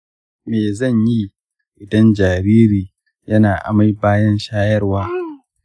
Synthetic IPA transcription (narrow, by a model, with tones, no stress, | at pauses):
meː˨zɐ˦˨ɲji˦ | ʔɪ˨dɐ˦nd͡ʒaː˨ɾiː˦ɾiː˨ | jɐ˦naː˨ʔa̰˨ma˦jbaː˦jɐ˦nʃaː˦jɐ˦rwaː˦